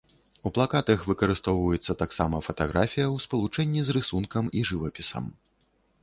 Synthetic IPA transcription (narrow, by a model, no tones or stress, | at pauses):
uplˠakat̪ɐxvɨkɐɾɨst̪ɔwvɐjɛt̪sːɐt̪aksamɐfɐt̪aɣɾʔafʲijɐwspɐlˠut͡ʂɛnʲːizrɨsunkɐmiʐɨvɐpʲisɐ̰m